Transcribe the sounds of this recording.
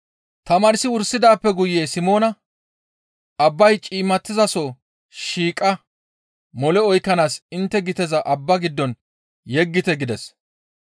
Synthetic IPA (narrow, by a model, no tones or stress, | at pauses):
t̪ɐmaːɾɪsɪwʊɾsːɪd̪aːpːɛɡʊjːeːsɪmo̞ːnɐ | ɐbːɐjt͡ʃʼiːmːɐt̪ːɪzɐsɔ | ʃiːkʼːɐ | mɔlɛɔjkːɐnaːsɪnt̪ːɛɡɪt̪ɛzɐʔɐbːɐɡɪd̪ːɔn | jɛɡːɪt̪ɛɡɪd̪ɛs